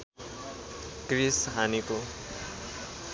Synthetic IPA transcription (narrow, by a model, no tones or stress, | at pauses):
krisɦaniko